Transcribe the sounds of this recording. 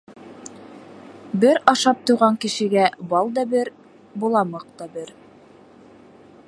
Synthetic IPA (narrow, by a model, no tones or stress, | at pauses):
bɘɾɑʃɑp̚t̪ŭjʁɑŋkɘ̆ʃɘ̆ɡæbɑlˠd̪ɑbɘɾ | bulˠɑmɤq̚t̪ɑbɘɾ